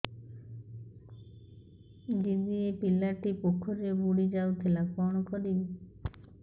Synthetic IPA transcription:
ɡid̪iepilaʈipokʰːɔɾebuɽid͡ʒawt̪ʰilapɔɽ̃ɔkɔɾibe

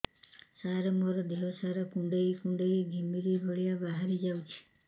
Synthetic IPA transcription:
saɾɔmɔɾɔd̪eɦɔsaɾɔkũɳɖejkũɳɖeiɡʱimiɾibʱɔɭijabaɦaɾid͡ʒawt͡ʃʰi̥

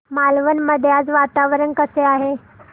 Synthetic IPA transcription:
malʋənməd̪ʱjat͡sʋat̪aʋɾənkəseaɦe

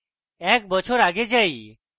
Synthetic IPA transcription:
ɛːk̚bət͡ʃʰoɾaːɡed͡ʒaiː

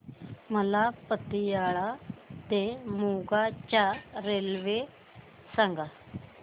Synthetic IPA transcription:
məlaːpət̪ːiːaːɭaːt̪eːmuːɡaːt͡ʃaːɾeːlʋe | sə̃ŋɡa

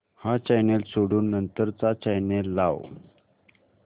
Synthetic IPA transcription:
hat͡ɕajnelsoɽuːnːənt̪əɾt͡sat͡ɕajnelːaw

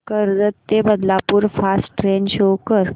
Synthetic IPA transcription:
kəɾd͡zət̪ːebəd̪lapuːɾfasʈɾenɕokəɾ

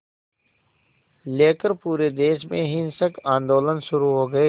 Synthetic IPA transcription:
leːkəɾpuːɾeːd̪eːʃmẽɦɪnsəkãːnd̪oːlənʃʊɾuɦoːɡəeː

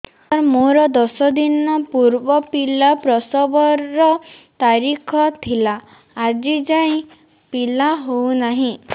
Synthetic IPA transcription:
aɾmoɾɔd̪ɔsɔd̪inɔpuɾbɔpilapɾɔsɔbɔɾːɔt̪aɾikʰɔt̪ʰilaː | d͡ʒid͡ʒaj̃ | pilaɦownaɦĩ

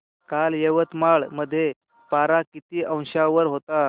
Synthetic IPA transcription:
kaljeʋət̪maɭməd̪ʱːje | paɾakit̪iːʔə̃w̃ɕaʋəɾɦot̪a

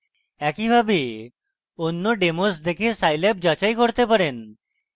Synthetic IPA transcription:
ɛkibʱabe | onːoɖemosd̪ekʰesajlɛp̚d͡ʑat͡ɕajkoɾt̪epaɾen

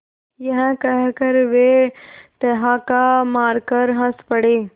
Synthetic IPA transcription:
jəɦə̃kəɦkəɾʋet̪əɦakamaːɾkəɾɦə̃spəɽeː

